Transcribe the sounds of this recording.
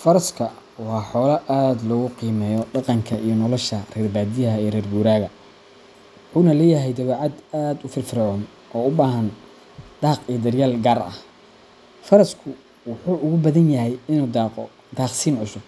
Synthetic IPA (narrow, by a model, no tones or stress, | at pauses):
fɐɾɐskʰɐ | wɑːħɔːlɐʔaːd̪lɔːɣʊqiːmɛːjɔɖɑqɑŋkʰɐʔijɔnɔlɔʃɐrɛːrbaːd̪ɪjɐɦɐɛjrɛrɡuːɾaːɣɐ | wʊħuːnɐlɛːjɐɦɛjd̪ɐβaːʕɑd̪aːd̪ʊfɪrfɪɾʕɔːn | ʔɔːʊbaːɦɐn | d̪̥ɑːqijɔd̪ɐrjaːlɡaːrɐ̰h | fɐɾɐskʰʊ | wʊħuːʔʊɣʊbɐðɐnjɐɦɛjɪnuːd̪ɑːqɔ | d̪aːqsiːnʕʊsʊb̚